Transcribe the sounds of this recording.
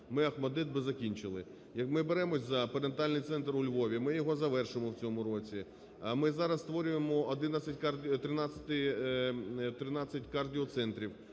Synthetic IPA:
mɪɐxmɐd̪ɪd̪̚bɪzɐkʲinʲt͡ʃɪlˠɪ | jɐkmɪbeɾɛmɔsʲzɐpeɾent̪ɑlʲnɪjt̪sɛnt̪rʊlʲʋɔʋʲimɪjɔɦɔzɐʋɛrʃɪmɔwt͡sʲɔmʊɾɔt͡sʲi | mɪzɑɾɐst̪ʋɔɾʲʊjemɔːd̪ɪnɐsʲɐtʲkɑrʲt̪ɾɪnɑt͡sʲːɐ̥t̪ɪ | t̪ɾɪnɑt͡sʲːɐtʲkɑrdʲiɔt̪sɛnt̪ɾʲiw

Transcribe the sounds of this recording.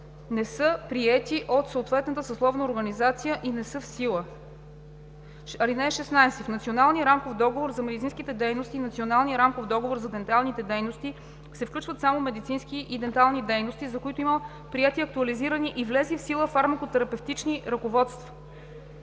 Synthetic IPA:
nɛsɤpɾiɛt̪iʔot̪soot̪vɛt̪nət̪əsɐslˠɔvnəoɾɡɐnizat̪sijəʔinɛsɤfsilˠə | ɐlinɛʃɛsnajsɛfnɐt̪sʲionalˠniəɾamkofd̪ɔɡovoɾzɐmɛd̪it̪sinskit̪ɛd̪ɛjnost̪iːnɐt̪sionalˠniəɾamkofd̪ɔɡovoɾzɐd̪ɛnt̪alˠnit̪ɛd̪ɛjnost̪i | sɛfklʲut͡ʃvət̪samomɛd̪it̪sinskiʔid̪ɛnt̪alˠnid̪ɛjnost̪izɐkoit̪oimə | pɾiɛt̪iɐk̚t̪uɐliziɾəniʔivlɛzifsilˠəfaɾmɛkot̪ɛɾɐpɛft̪it͡ʃniɾɐkovɔt̪st̪vɐ̥

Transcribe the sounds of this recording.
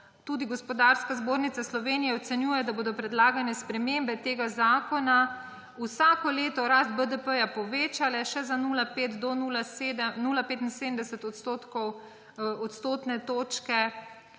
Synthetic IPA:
t̪uːd̪iɡɔspɔd̪aɾskazboːɾnit̪saslɔʋeːnijɛɔt̪sɛnjuːjɛd̪aboːd̪ɔpɾɛd̪laːɡanɛspɾɛmeːmbɛt̪eːɡazaːkɔna | usaːkɔleːt̪ɔɾast̪̚bəd̪əpəjapɔʋeːt͡ʃalɛʃɛzanuːlapeːt̪d̪ɔnulased̪ɛnuːlapeːt̪insed̪əm̩d̪ɛsət̪ɔt̪st̪oːt̪kɔw | ɔt̪st̪oːt̪nɛt̪oːt͡ʃkɛ

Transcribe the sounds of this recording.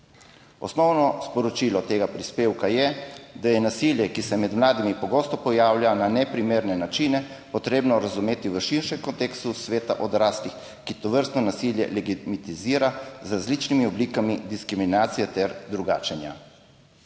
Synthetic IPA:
ɔ̰snɔwnɔspɔɾɔt͡ʃilɔt̪eːɡapɾispeːwkajɛd̪ajɛnasiljɛkisɛmɛd̪mlaːd̪imipɔɡost̪ɔpɔjaːwljananɛpɾimeːɾnɛnat͡ʃinɛ | pɔt̪ɾeːbnɔɾazumeːt̪iʋəʃiɾʃɛmkɔnt̪eːkst̪usʋeːt̪a̰ʔɔd̪ɾaːslix | kit̪ɔʋəɾst̪nɔnasiljɛ̰lɛɡit̪mit̪iziːɾazɾazlit͡ʃnimiɔblikamid̪iskɾiminaːt̪sijɛt̪ɛɾd̪ɾuɡa̰ːt͡ʃɛnja

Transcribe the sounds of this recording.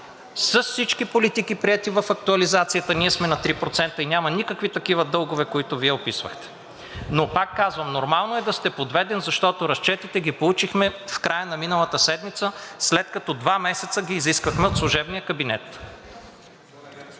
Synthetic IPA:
səssit͡ʃkipolit̪ikipɾiɛt̪ivɐfɐk̚t̪uɐlizat̪sijət̪əniɛsmɛnɐt̪ɾipɾot̪sɛnt̪əinʲamɐnikəkvit̪ɐkivəd̪ɤlˠɡʊvɛkoit̪ʊviɛopisvə̰xt̪ɛ̥ | nopakːazvəmnoɾmalˠnoɛd̪ɐst̪ɛpod̪vɛd̪ɛnzɐʃt̪ɔt̪oɾɐst͡ʃɛt̪it̪ɛɡipolˠut͡ʃixmɛfkɾajənɐminəlˠət̪əsɛd̪mit̪səslɛt̪̚kɐt̪ɔd̪vamɛsɛt̪səɡʲiːziskvəxmɛot̪slˠʊʒɛbnijəkɐbinɛ̰t̪

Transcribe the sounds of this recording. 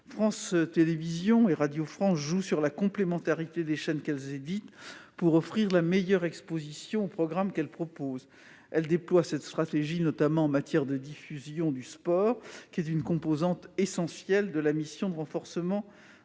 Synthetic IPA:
fχɑ̃st̪elevizjɔ̃eʁad̪jofχɑ̃sʒusyʁlakɔ̃plemɑ̃t̪aʁit̪ed̪eʃɛnkɛlzed̪it̪puʁɔfχiʁlamejœʁɛkspozisjɔ̃opχɔɡʁamkɛlpχɔpoz | ɛld̪eplwasɛt̪st̪χat̪eʒinɔt̪amɑ̃ɑ̃mat̪jɛʁd̪əd̪ifyzjɔ̃d̪yspɔʁkʲiɛt̪ynkɔ̃pozɑ̃t̪esɑ̃sjɛld̪əlamisjɔ̃d̪əʁɑ̃fɔʁsəmɑ̃

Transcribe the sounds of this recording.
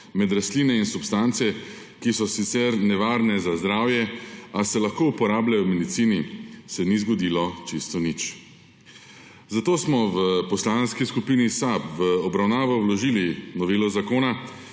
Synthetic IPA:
mɛd̪ɾast̪liːnɛinsupst̪ant̪sɛ | kisɔsit̪sɛɾnɛʋaɾnɛzazd̪ɾaːwjɛasɛlaxkoːupɔɾaːblajɔmɛd̪it̪siːnisɛnizɡɔd̪iːlɔt͡ʃist̪ɔnit͡ʃ | zat̪oːsmɔʋəpɔslanskiskupiːnisapʋəɔbɾawnaːʋɔwlɔʒilinɔʋeːlɔzakoːna

